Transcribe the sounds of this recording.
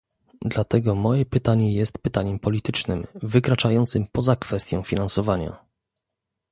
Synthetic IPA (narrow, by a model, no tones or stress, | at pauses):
d̪lat̪ɛɡɔmɔjɛpɘt̪aɲɛjɛst̪pɘt̪aɲɛmpɔlʲit̪ɘt͡ʂnɘmvɘkɾat͡ʂajɔnt̪sɘmpɔzakfɛst̪ʲjɔ̃w̃fʲinansɔvaɲa̰